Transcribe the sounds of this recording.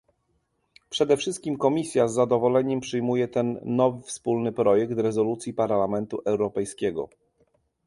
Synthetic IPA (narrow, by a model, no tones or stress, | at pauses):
pʂɛd̪ɛfʂɘst̪̚kʲimkɔmʲisʲjazːad̪ɔvɔlɛɲɛmpʂɘjmujɛt̪ɛnːɔvɘfspulnɘpɾɔjɛk̚t̪ɾɛzɔlut̪sʲjipaɾlamɛnt̪uʔɛwɾɔpɛjskʲɛɡɔ̰